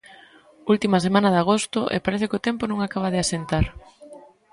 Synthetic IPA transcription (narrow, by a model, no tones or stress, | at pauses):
ult̪imasemãnɐðaɣ̞ost̪ʊʔḛpaɾeθɪkɪot̪ɛmponũŋakaβ̞aðɪasent̪aɾ